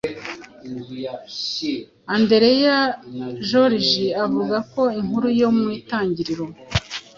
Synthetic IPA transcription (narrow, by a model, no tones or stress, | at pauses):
ande̞ɾejaʒoɾiʒiavuɡako̞iŋhuɾujo̞mŋwiːtaːɲɟiɾiɾo̞